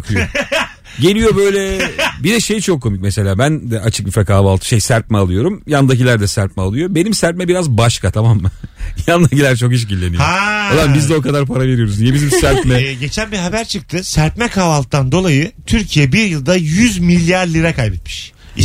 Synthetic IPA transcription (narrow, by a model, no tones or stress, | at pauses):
kʰɯjo | ɟe̞lʲijo̞bø̞jlʲɛbid̪ɛʃejt͡ʃʰo̞kʰːo̞mic̚mese̞lʲaːbænd̪ɛʔat͡ʃʰɯ̥k̚bifɾɛkaːvalˠt̪ʰɯ̥ʃejsæɾp̚mɛalˠɯjo̞ɾumjand̪ac̬ilʲæɾd̪ɛsæɾp̚mɛalˠɯjo̞be̞nimsæɾp̚mɛbiɾazbaʃkʰat̪ʰamamːajand̪acilʲæɾt͡ʃʰo̞khit͡ʃ̬ɟilʲːe̞nijaod̪ambizd̪ɛo̞kad̪aɾpʰaɾave̞ɾijo̞ɾuznjebizimsæɾpmɛɟe̞t͡ʃʰænbiɦabæɾt͡ʃʰɯk̚t̪ʰɯsæɾpmɛkʰaːvalˠt̪̚t̪ːand̪o̞lˠajɯt̪ʰyɾcʰijɛbiɾjɯlˠd̪ajyzmilʲːjaɾlʲiɾɛkʰajbɛt̪mi̥ʃ